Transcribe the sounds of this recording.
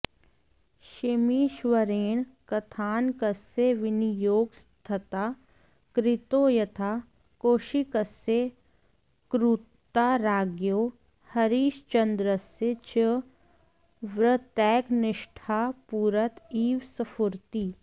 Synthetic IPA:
ʃɪmiʃʋəɾeːɳ̃kɐt̪ʰaːnkəseʋɪnijoːɡst̪ʰɐt̪aː | kɾɪt̪oːjɐt̪ʰaː | koːʃikəse | kɾut̪ːaɾaːɡjoː | hɐɾiːʃt͡ʃɐnd̪ɾəset͡ʃə | ʋɾət̪ɛːknɪʃʈʰaːpuːɾət̪iːʋsəfʰʊɾt̪iː

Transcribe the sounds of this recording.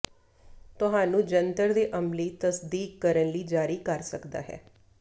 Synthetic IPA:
t̪ʊɦãːnũːd͡ʒənt̪əɾd̪eːʔəmliːt̪əsd̪iːkːəɾənliːd͡ʒaːɾiːkəɾsəkd̪a̰ːɦɛ̰ː

